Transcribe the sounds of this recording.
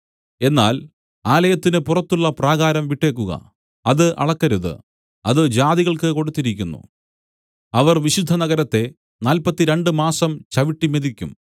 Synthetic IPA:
e̞nːaːl | aːlɐjɐt̪ːinɨpurɐt̪ːuɭːɐpraːɣaːɾɐmʋiʈːe̞ːk̬ːuɣɐ̰ | ɐðɨʔɐ̰ɭɐkːɐɾuðɨ̰ | ɐðɨd͡ʑaːðiɣɐɭkɨko̞ɽut̪ːiɾikʲːunːṵ | ɐʋɐrʋiɕid̪ʱːɐnɐɣɐɾɐt̪ːe̞ | naːlpɐt̪ːiɾeɳɖɨmaːsɐmt͡ɕɐʋiʈːimeðikʲːum

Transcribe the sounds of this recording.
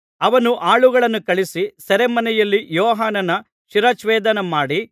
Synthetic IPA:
ɐʋɐnuʔaːɭuɡɐɭɐnːukɐɭisisɐɾemɐnɛjɐlːijɔːɦaːnɐnːɐ | ʃiɾaːt͡ʃʋɛːd̪ɐnɐmaːɽi

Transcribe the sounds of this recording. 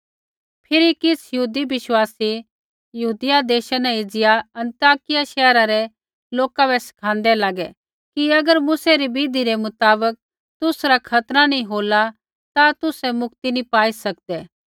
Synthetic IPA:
pʰɪɾikɪsjɐɦuːd̪ibɪʃwaːsi | jɐɦuːd̪ɪjad̪eːʃanɛ̃ɪd͡zɪjaɐ̃nt̪jaːkɪjaʃɛːɾaɾɛ | loːkabɛsɪ̥kʰãːn̆d̪ɛlaːɡɛ | kiɐɡəɾmʊsɛɾibiːd̪ʱiɾemʊt̪aːbək̚ | t̪ʊsɾakʰɐt̪ɾanĩɦoːla | t̪at̪ʊsɛmʊk̚t̪inĩpaːisɐk̚d̪ɛː

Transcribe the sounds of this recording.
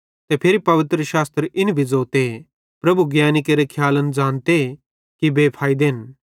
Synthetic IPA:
t̪epʰɪɾipɐʋɪt̪ɾəʃaːst̪ɾʔɪnbʱid͡zoːt̪e | pɾɐbuɡjaːnɪkeɾekʰjaːlənd͡zãːnt̪e | kibeːpʰaːid̪eːn

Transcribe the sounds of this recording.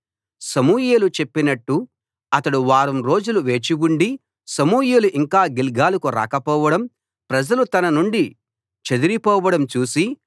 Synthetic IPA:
sɐmuːjeːlut͡ʃe̞pːinɐʈːu | ɐt̪ɐɽuʋaːɾɐmɾo̞ːd͡ʒuluʋe̞ːt͡ʃiɡuɳɖi | sɐmuːjeːluʔiŋkaːɡilɡaːlukuɾa̰ːkɐpɔːʋɐɽɐm | pɾɐd͡ʒɐlut̪ɐnɐnuɳɖi | t͡ʃed̪uɾipɔːʋɐɽɐmt͡ʃuːsi

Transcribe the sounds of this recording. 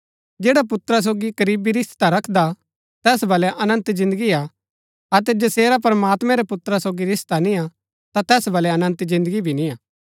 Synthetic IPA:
d͡ʒeːɽapʊt̪ɾas̬oːɡiɡɐɾiːbiɾɪst̪t̪aɾɐkʰd̪a | t̪ɛːsbɐlɛʔɐnə̃nt̪zɪ̃nd̪əɡia | ɐt̪ɛd͡ʒɐseːɾapɐɾəmaːt̪mɛ̃ɾɛpʊt̪ɾasoːɡiɾɪst̪anĩa | t̪at̪ɛːsbɐlɛɐnə̃nt̪zɪ̃nd̪əɡibʱinĩaː

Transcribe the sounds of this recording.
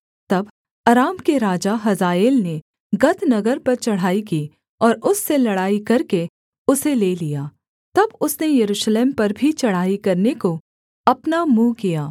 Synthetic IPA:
t̪ɐb | ɐɾaːmkeɾaːd͡ʒaɦɐzaːeːlne | ɡɐt̪nɐɡəɾpɐɾt͡ʃɐɽ̤aːikiː | ɔːɾʊsːelɐɽaːikɐɾke | ʊseleːlijaː | t̪ɐbʊsnejɐɾuːʃleːmpɐɾbʱit͡ʃɐɽ̤aːikɐɾneko | ɐpnamũːkijaː

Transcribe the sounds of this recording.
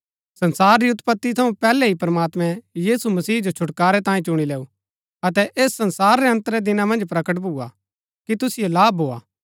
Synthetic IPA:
sɐnsaːɾːiʊt̪pət̪ːit̪ʰɐũpɛːlɛɦipɾɐmaːt̪mɛ̃jiːsumɐsiːd͡ʒot͡ʃʰʊʈkaːɾɛt̪ãːĩt͡ʃʊɽ̃ileːu | ɐt̪̬ɛʔeːsːɐ̃nsaːɾːɛɐ̃nt̪əɾɛd̪ɪnãmɐ̃nd͡ʒpɾɐkəʈ̬bʱuːa̰ | kit̪ʊsɪjolaːbʱɦoːa̰ː

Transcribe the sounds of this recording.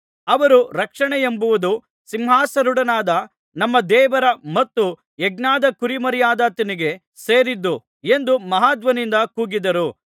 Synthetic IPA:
ɐʋɐɾuɾɐkʂɐɳɛjembuʋud̪u | simɦaːsɐɾuɽɐnaːd̪ɐ | nɐmːɐd̪ɛːʋɐɾɐmɐt̪ːu | eɡnaːd̪ɐkuɾimɐɾjaːd̪ɐt̪ɐniɡe̞ | seːɾid̪ːu | e̞nd̪umɐɦaːd̪ʋɐnind̪ɐkuːɡid̪ɐɾu

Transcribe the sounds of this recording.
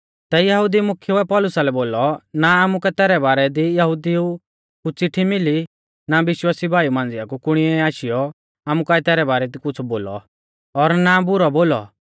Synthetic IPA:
t̪ɛjɐɦʊd̪imʊkʰjuɛpɔlʊsalɛboːlɔnaaːmukɛt̪ɛːɾɛbaːɾɛd̪ijɐɦʊd̪iu | kut͡sɪʈʰːimɪli | nabɪʃwaːsibʱaːjumãːnd͡zɪjakukʊɽ̃iɛaːʃɪjɔ | aːmukaːɛt̪ɛːɾɛbaːɾɛd̪ikʊt͡sʰboːlɔ̰ | ɔɾnabʊɾɔboːlɔ̰

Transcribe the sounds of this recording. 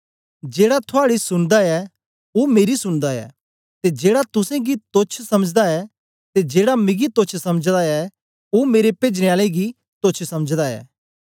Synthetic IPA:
d͡ʒeːɽat̪ʰoaːɽisʊɽ̃d̪aɛ | oːmeːɾisʊɽ̃d̪aɛ̰ː | t̪ed͡ʒeːɽat̪ʊsɛ̃ɡit̪ot͡ʃʰsɐməd͡ʒd̪aɛ | t̪ed͡ʒeːɽamɪɡit̪oːt͡ʃʰsɐməd͡ʒd̪aɛ | oːmeːɾepeːd͡ʒneaːleiɡi | t̪ot͡ʃʰsɐməd͡ʒd̪aɛ̰ː

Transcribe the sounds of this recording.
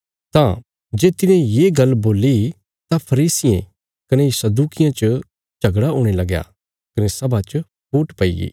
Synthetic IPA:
t̪ã̰ | d͡ʒeːt̪ɪnɛ̃jeːɡɐlboːli | t̪ãpʰɐɾiːsɪjḛ̃ | kɐnesɐd̪uːkɪjãt͡ʃə | t͡ʃɐɡɽaoːɽ̃elɐɡja̰ | kɐnesɐbʱat͡ʃə | pʰuːʈpɐḭḭː

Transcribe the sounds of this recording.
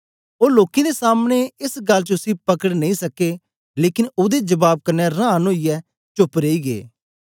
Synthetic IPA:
oːloːkẽd̪eːsaːmneɪsɡəlt͡ʃəʊsĩpəkəɽnə̃ĩːsəkeː | leːkɪnʊd̪ed͡ʒəbaːb̚kəɾnɛːɾãːnoːijɛː | t͡ʃʊpɾeːiːɡḛː

